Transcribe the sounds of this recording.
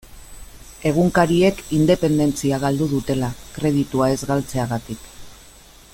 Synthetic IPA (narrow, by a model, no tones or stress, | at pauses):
e̞ɣ̞uŋkaɾie̞kind̪e̞pe̞nd̪e̞nt͡siaɣ̞ald̪uð̞ut̪e̞lakɾe̞ð̞it̪uae̞zɣalt͡se̞aɣat̪ik